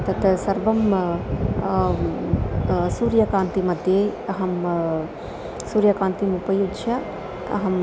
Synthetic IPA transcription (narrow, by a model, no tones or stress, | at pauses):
t̪ɐt̪ʰɐsɐɾʋɐm | suːɾjɐkaːnt̪imɐd̪ʱjeɐɦɐm | suːɾjɐkaːnt̪imupɐjuɡʃʰɐ | ɐ̰ɦɐm